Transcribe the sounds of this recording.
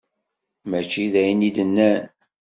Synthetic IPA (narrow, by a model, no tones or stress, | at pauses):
mæt͡ʃːiðæjənid̪ənːæn